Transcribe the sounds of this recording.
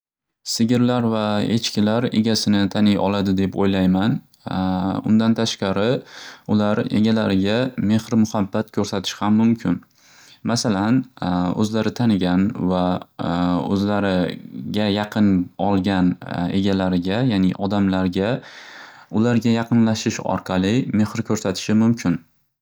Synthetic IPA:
sɪɡʲɪɾlaɾvae̞̰t͡ʃkʲɪlaɾe̞̰ɡʲasɪnɪt̪ʰanɪjɒ̰lˠad̪ɪd̪e̞pojlajman | ʊ̰nd̪ant̪ʰaʃqɑɾɪʊlaɾe̞̰ɡʲalaɾɪɡʲame̞hɾmʊhabːat̪̚kʰʲɵɾsat̪ʰɪ̥ʃhamːʊmkʲʰɪn | masalanɵ̰zlaɾɪt̪ʰanɪɡʲanva | ɵ̰zlaɾɪɡʲajɑqʰɨnɒlˠɡʲane̞̰ɡʲalaɾɪɡʲajaːnɪʔɒd̪amlaɾɡʲa | ʊlaɾɡʲajɑqʰɨnlaʃɪʃɒ̰ɾqʰɑlˠɪme̞hɾkʰʲɵɾsat̪ʰɪ̥ʃɪmʊmkʲʰɪn

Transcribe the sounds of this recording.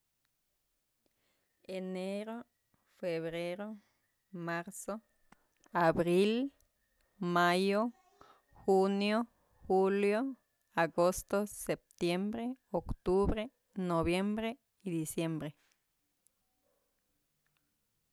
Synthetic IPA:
eneɾo | feβɾeɾo | maɾso | aβɾil | majo | xunjo | xuljo | aɡost̪osep̚t̪jembɾeokt̪uβɾe | noβjembɾe | id̪isjembɾe

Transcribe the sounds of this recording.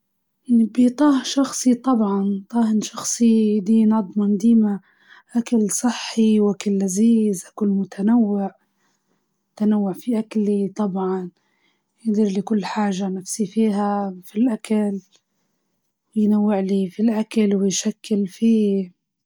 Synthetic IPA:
janibit̪ˤɑːhʃɑxsˤit̪ˤɑbʕɑnt̪ˤɑːhɪnʃɑxsˤid̪iːnɑd̪ˤmand̪iːma | ʔakalsˤɨħːiwʔakalːaziːzʔakʊlmʊt̪ʰanawːɪʕ | t̪anawːʊʕfiʔaklit̪ˤɑbʕɑn | jɪd̪iːɾlikʊlːħaːʒanafsifiːɦafilʔakal | wɪjnawːɪʕlifilʔakalwɪjʃakːɪlfiː

